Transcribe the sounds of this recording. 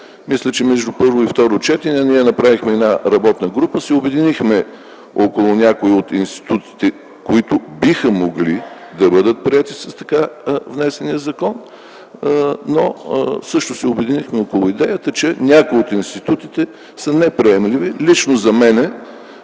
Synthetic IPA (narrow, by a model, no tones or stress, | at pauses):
mislʲət͡ʃɛmɛʒd̪upɤɾvoift̪ɔɾot͡ʃɛt̪inʲɛniɛnɐpɾavixmɛɛnaɾɐbɔt̪nəɡɾupəsɛʊbɛd̪inixmɛ | okolˠʊnʲakoiot̪inst̪i̥t̪ut̪i̥t̪ɛ | koit̪ʊbixəmoɡli | d̪ɐbɤd̪ət̪̚pɾiɛt̪isɐst̪ɐ̥kavnɛsɛnijəzɐkɔn | nosɤʃt̪ʊsɛʊbɛd̪inixmɛokolˠʊid̪ɛjət̪ət͡ʃɛnʲakʊiot̪inst̪it̪ut̪it̪ɛ | sənɛpɾiɛmlivilit͡ʃnozɐmɛnɛ